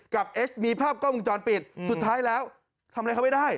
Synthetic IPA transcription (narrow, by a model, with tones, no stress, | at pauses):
ka˨˩p̚ʔe˦˥smiː˧pʰaː˥˩p̚kɔː˥˩mɯ˧ŋt͡ɕɔː˧npi˨˩ət̪̚su˨˩t̪ʰːaː˦˥jlɛː˦˥w | t̪ʰa˧mɾa˧jkʰa˦˥ma˥˩daː˥˩j